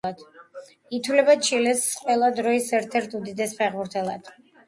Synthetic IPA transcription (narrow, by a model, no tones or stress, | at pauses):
ad̪̥ | it̪ʰwlɛbat͡ʃʰilɛsqʼwɛlˠad̪ɾɔisɛɾt̪ʰɛɾt̪ʰud̪id̪ɛspʰɛʁbuɾt̪ʰɛlˠa̰d̪̥